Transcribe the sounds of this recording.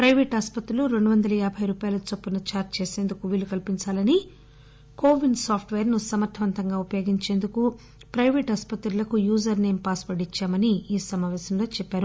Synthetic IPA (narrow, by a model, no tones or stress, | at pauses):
pɾɐjʋeːʈaːspɐt̪ɾuluɾeɳɖuʋɐnd̪ɐlɐjaːbʱɐjɾuːpaːjɐlɐt͡ʃopːunɐt͡ʃaːɾtt͡ʃeːse̞ːnd̪ukuʋiːlukɐlpiɲt͡ʃaːlɐni | ko̞ːʋinɖsaːpʰʈʋeːɐɾnusɐmɐɾt̪ʰːɐʋɐnt̪ɐŋɡaːupɐjoːɡiɲt͡ʃe̞ːnd̪uku | pɾɐjʋeːʈɐspɐt̪ɾulɐkujuːd͡ʒɐɾneːmpaːspɐɖit͡ʃːaːmɐniiːsɐmaːʋɛːsɐmlo̞ːt͡ʃɛpːaːɾu